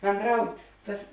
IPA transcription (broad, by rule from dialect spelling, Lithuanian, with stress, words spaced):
bʲɛndrɐʊtʲ ˈtɐs